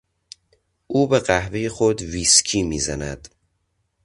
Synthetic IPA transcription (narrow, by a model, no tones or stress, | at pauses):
ʔuːbeɢæhve̞jexod̪viːscʰiːmiːzænæ̰d̪̥